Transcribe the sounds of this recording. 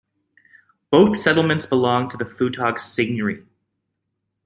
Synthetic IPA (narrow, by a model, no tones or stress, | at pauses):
b̥oʊθsɛɾl̩ˠmɨ̃ntsb̥əlɔ̃ŋtʰəðɨfʉtʰɑɡsɪɡ̚nə˞i